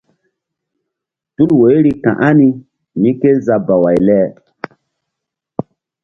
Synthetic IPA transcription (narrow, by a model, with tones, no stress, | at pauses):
tu˦lwo˨˦ɾi˦kã̰˨ʔa˦ni˦ | mĩ˦ke˦za˦ba˨wa˨jlɛː˦